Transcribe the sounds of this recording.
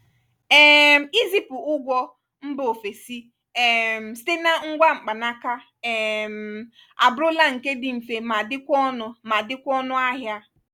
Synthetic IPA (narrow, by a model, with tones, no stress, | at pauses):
ɛ˦m̩˨i˦zi˨pʊ˨ʊ˦ɡʷɔ˦ | m̩˦bo˨fe˨si˦˨ | m̩˨ste˦na˦ŋ̩˦ɡʷa˦ŋ͡m̩˨k͡pa˨na˦ka˦ | ɛ˨m̩˨ | a̰˨bʊ˦ɾʊ˦la˦ŋ̩˨ke˦dɪ˨m̩˨fe˨ma˨dɪ˦kʷɔ˦nʊ˦ma˨dɪ˦kʷɔ˦nʊ˦a˦ɦja˦